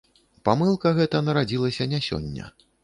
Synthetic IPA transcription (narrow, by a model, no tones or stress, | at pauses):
pamɨlˠkɐɣɛt̪ɐnɐɾad͡zʲilˠɐsʲɐnʲasʲɔ̰nʲːɐ̰